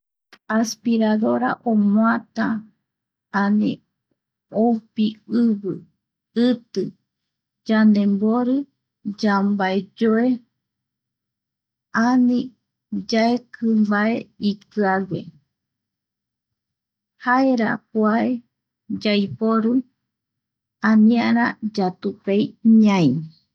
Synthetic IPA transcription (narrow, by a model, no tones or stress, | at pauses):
aspiɾaðoɾa̰ʔomõãt̪a | anĩ | owpiɨβɨ | ɨt̪ɨ | d͡ʒand̪ẽmboɾɨ | d͡ʒambaed͡ʒoe | anĩ | d͡ʒaekʰɨmbaeikɨaɡʷḛ | haeɾa̰kuae | d͡ʒajpoɾuj | ãnĩaɾ̃ãd͡ʒat̪upejɲãĩ